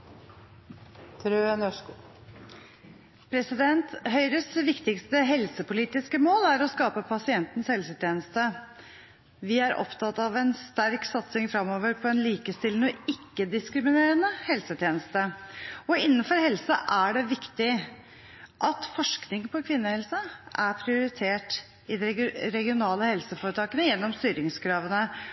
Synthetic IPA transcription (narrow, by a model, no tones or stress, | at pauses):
t̪ʰɾøːənœʂkː | pʰɾɛsɪd̪ɛnt̪ɦœʏɾəsʋɪkt̪ɪkst̪əɦɛlsəpʊliːt̪ɪskəmoːlæɾɔskɑːpəpʰɑsɪɛnt̪n̩shɛlsət̪ʰjeːnəst̪ə | ʋɪæɾʔɔ̰pt̪ʰɑt̪ːɑʋɛnst̪æɾksɑt̪sɪŋfɾɑmoːʋəɾpʰɔɛnliːkəst̪ɪlnɔɪkːəd̪ɪskɾɪmɪneːɾənəhɛlsət̪ʰjeːnəst̪əɔɪnːəfɔɾhɛlsəʔæɖɛʋɪkt̪ɪ | ʔɑt̪fɔʂknɪŋpʰɔkʰʋɪnːəhɛlsəʔæɾpʰɾɪʊɾɪt̪ʰeːʈ | ɪd̪ɛɾɛɡɪʊnɑːləhɛlsəfoːɾət̪ʰɑːkənəjɛnːɔmst̪yːɾɪŋskʰɾɑːʋənə